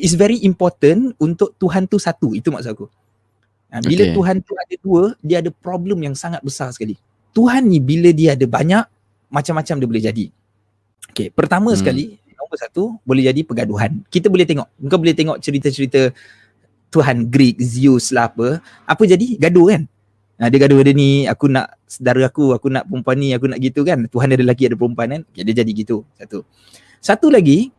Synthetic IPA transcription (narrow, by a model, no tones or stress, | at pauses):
its̬vɛɾiʔimpɔrt̪ənunt̪ʊʔ̚t̪uɦant̪usat̪uit̪uma̰ʔsaku | abilət̪uɦant̪uadəduədiəadəpɾɔbləmjaŋsaŋat̪̚bəsarsə̥kali | t̪uɦanːibilədiəadəbaɲaʔ | mat͡ʃamːat͡ʃamdibolɛɦd͡ʒadi | okepərt̪amə̃sə̥kali | ombəsat̪ubolɛhd͡ʒadipəɡaduɦa̰nkit̪əbolɛht̪eŋɔʔmuŋkanbolɛt̪eŋɔʔt͡ʃəɾit̪ət͡ʃəɾit̪ə | t̪uɦanɡɾik̚ziuslaɦapə | apəd͡ʒadiɡadokan | ə̃diəɡaduadəniakuna̰ʔ | sədaɾəakuakuna̰ʔpəɾumpuanːĩakunaʔɡit̪ukant̪uɦaniadəlaɡiadəpəɾumpuankanokediəd͡ʒadiɡit̪usat̪u | sat̪ulaɡi